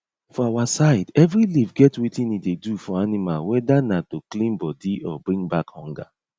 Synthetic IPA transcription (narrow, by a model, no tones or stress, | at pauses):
fɔawasaɪdɛvɹilivɡɛtwitĩnidedufɔanimalwɛdanatoklĩnbɔdiʔɔ̰bɹĩŋɡbakhɔ̃ŋɡa̰